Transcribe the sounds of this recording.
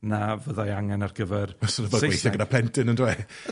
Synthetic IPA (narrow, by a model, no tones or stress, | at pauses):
navəðajaŋɛnarɡ̥əvɛrasənəðɔɡwejθɛɡənapʰlɛntʰɨnəndwɛ